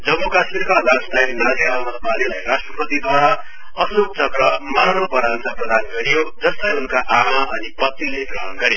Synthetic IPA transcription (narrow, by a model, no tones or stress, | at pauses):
d͡zʌmːukasmiɾkad̪ʱʌst̪ajnasiɾawnʌsmalilajrasʈrʌprʌt̪id̪ʱwaɦa | ʌsokt͡sʌkɾʌmanopʌɾant͡saprʌd̪anɡʌɾijod͡zʌst̪ʌjunkaʔamaʌnipʌt̪ːileɡrʌɦʌnɡʌɾe